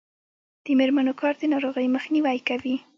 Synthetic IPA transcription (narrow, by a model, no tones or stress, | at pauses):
d̪̥əmeɾmanokɑɾd̪ənɑɾoɣəjməxniwajkawi